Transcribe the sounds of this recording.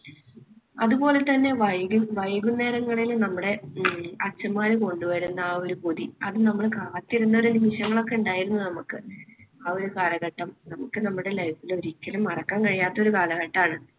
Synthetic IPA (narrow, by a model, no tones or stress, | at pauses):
ɐðupo̞ːle̞t̪ɐnːe̞ʋɐjɡuʋɐjɣunːe̞ːɾɐŋːɐɭilmnɐmːuɽe̞ɐt͡ɕːɐmaːɾɨko̞ɳɖuʋɐɾunːɐo̞ɾupoðiɐðɨnɐmːɐɭkaːt̪ːiɾunːɐoɾunimiɕɐŋːɐɭo̞kːe̞uɳɖaːjiɾunːunɐmukːɨɐo̞ɾukaːlɐɣɐʈːɐmnɐmukːɨnɐmːuɽe̞lɐjpːilo̞ɾuit͡ɕːɐlumɐrɐkːaːnkɐɻijaːt̪ːɐo̞ɾukaːlɐɣɐʈːaːɳɨ